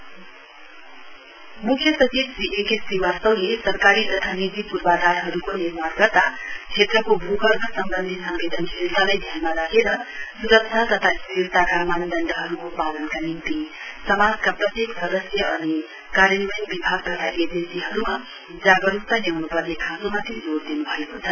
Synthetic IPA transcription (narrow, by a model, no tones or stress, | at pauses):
mukʰːjʌpʌt͡sibsiʔekesiwarsʌwlesʌɾkaɾit̪ʌt̪ʰanid͡zipuɾbad̪aɾɦʌɾukoniɾmarɡʌrt̪at͡sʰet̪rʌkobʱuɡʌɾɡʌsʌmbʌnd̪ʱisʌmbed̪ʱʌnkʰelt̪alajd̪ʱjanmaɾakeɾʌsuɾʌk̚t͡ʃʰat̪ʌt̪ʰasiɾt̪akamand̪ʌnd̪ʱʌɦʌɾukopalʌnkanimt̪i | sʌmad͡zkaprʌt̪jeksʌd̪ʌsjʌʔʌni | kaɾjʌnbʌjnbibʱaɡ̚t̪ʌt̪ʰaʔed͡zensiɦʌɾuma | d͡zaɡʌɾukt̪anjawnupʌrnekʰãsomat̪ed͡zoɾd̪inubʱʌekot͡sʰʌl